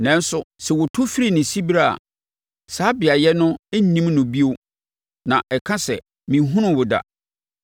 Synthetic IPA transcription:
nɛ̃˨n˦sʊ˨sɛ˨wɔ˨tʰʊ˦fi˦ɾi˨nɪ̃˨si˦ba˦˨a̰˨ | saː˨˦bɪ˨a˨jɛ˦nʊ̃˦e˦nĩ˦mnʊ̃˨bi˦o˦ | nã˨ʔɛ˨kʰã˦sɛ˨ | mĩ˨˦ɦʊ̃˦nʊ̃˦wʊ˨da̰˨

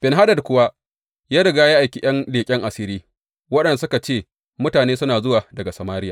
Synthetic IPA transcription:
b̥ɪ˨nɦa˦dɐ˨dkʷʊ˦wa˦ | jaː˦ɽɪ˨ɡaː˦jaː˦ʔa˨kʲi˦j̰ɐ˦ndeː˨kʲʼɪ˦ŋʔa˨sɪ˦ɾiː˦ | wɐ˦ɗɐ˨nsʊ˦ka˨t͡ʃeː˦˨ | mʊ˦taː˨neː˦sʊ˦naː˨zʊ˦waː˨dɐ˨ɡa˨sɐ˨maː˦ɾɪ˦ja˨

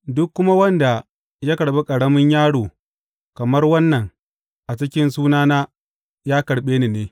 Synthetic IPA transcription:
dʊ˦kːʊ˦ma˦wɐ˦nda˨ | ja˦kɐ˨ɽɓe˦kʼɐ˨ɽɐ˦mɪ˦ɲjaː˦ɽoː˨ | kɐ˨mɐ˦rwɐ˦nːɐ˨ŋ | ʔa˨t͡ʃɪ˦kʲɪ˦nsuː˦naː˦naː˦ | jaː˦kɐ˨ɽɓeː˦ni˨neː˦

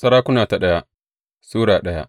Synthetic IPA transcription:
sɐ˦ɾaː˦kʷʊ˦naː˨ta˨ɗɐ˦ja˦ʔ | suː˦ɽaː˨ɗɐ˦ja̰˦ʔ

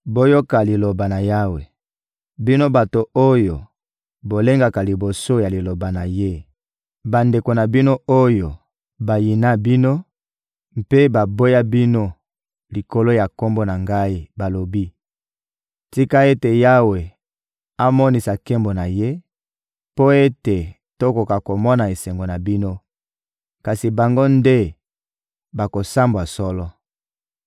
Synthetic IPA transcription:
bo˦jo˦ka˨li˨lo˨ba˨na˨ja˦we˨ | bi˦no˦ba˨to˨o˦jo˨ | bo˨le˦ŋɡa˨ka˨li˨bo˨so˦ja˨li˨lo˨ba˨na˨je˦ | ba˨nde˨ko˨na˨bi˦no˦o˦jo˨ | ba˨ji˨na˦bi˦no˦ | mpe˦ba˨bo˦ja˦bi˦no˦ | li˨ko˦lo˦ja˨ko˦mbo˦na˨ŋɡa˦i˦ba˨lo˨bi˦ | ti˦ka˦e˦te˨ja˦we˨ | a˦mɔ˦ni˨sa˨ke˦mbo˨na˨je˦ | po˦e˦te˨ | to˦ko˨ka˨ko˨mɔ˦na˨e˨sɛ˨ŋɡo˨na˨bi˦no˦ | ka˨si˨ba˨ŋɡo˦nde˦ | ba˨ko˨sa˦mba˨sɔ˦lɔ˦

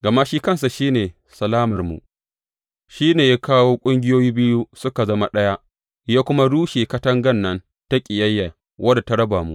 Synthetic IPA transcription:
ɡɐ˨ma˦ʃiː˦kɐ˦ns̬a˨ʃiː˦neː˨ | sɐ˨laː˦mɐ˨rmṵ˨ʔ | ʃiː˦neː˨ja˦kaː˦woː˦kʷʼʊ˦ŋɡʲɪ˦joː˦jiː˦bɪ˦ju˦sʊ˦ka˨zɐ˦ma˦ɗɐ˦ja˦ʔ | jaː˦kʷʊ˦ma˦ɽuː˦ʃeː˨kɐ˦tɐ˦ŋɡɐ˦˨nːɐ˦n | ta˦kʲʼɪ˨jɐ˦jːa˨ | wʔɐ˦da˨ta˦ɽɐ˦baː˨mṵ˦ʔ

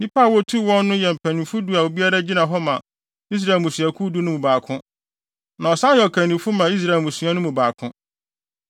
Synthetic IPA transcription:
nĩ˦pʰa˦˨wɔ˦tʰu˦˨wɔ̃˦nːʊ̃˦jɛ˨m̩˨pʰæ˨nĩ˨fu˦du˦a˨wo˨bi˦a˦ɾa˦d͡ʑi˦nã˨ɦɔ˦mã˨ | i˦s̬ɾa˨e˨lmũ˨su˨a˨kʰu˦du˦nʊ̃˦mũ˨baː˨kʰʊ̃˦ | nã˨ɔ˨sã˦jɛ˨ɔ˨kʰæ̃˨nĩ˨fʊ˦mã˨i˦s̬ɾa˦˨e˨lmũ˨su˨˦a˦nʊ̃˦mũ˨baː˨kʰʊ̃˦

